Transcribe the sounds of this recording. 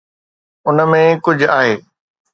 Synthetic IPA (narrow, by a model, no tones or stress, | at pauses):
ʊnəmẽkʊd͡ʑʱaːɦeː